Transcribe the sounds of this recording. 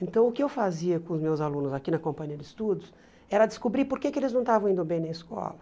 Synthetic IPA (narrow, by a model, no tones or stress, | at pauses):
ẽnt̪ɐ̃w̃ʊkɪewfaziɐkõʊzmewzalũnʊzakinɐkõmpɐ̃ɲiɐd̪ɪɪst̪ud̪ʊs | ɛɾɐd̪ɪskubɾipoɾkekɪelɪznɐ̃w̃t̪avɐ̃w̃ĩnd̪ʊbẽj̃nɐ̃ɪskɔ̰lɐ